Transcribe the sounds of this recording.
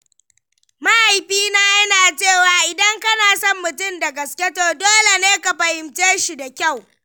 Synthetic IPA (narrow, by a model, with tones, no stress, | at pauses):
ma˦ʔa˨jɸiː˦naː˦jɐ˦naː˨t͡ʃeː˦˨waː˨ʔɪ˨dɐ˦ŋkɐ˦naː˨sɔ˦mːʊ˨tʊ˦˨mda˨ɡɐ˨skʲe˦toː˨doː˦le˨neː˦ka˨ɸɐ˨hɪ˨mt͡ʃeː˦ʃi˨da˨kʲa˦˨w